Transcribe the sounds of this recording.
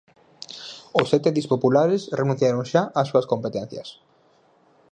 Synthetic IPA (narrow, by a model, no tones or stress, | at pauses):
osːɛt̪eðispopulaɾesrenũ̟θjaɾoŋʃaʔasːuɐskompet̪ɛn̟θjɐ̰s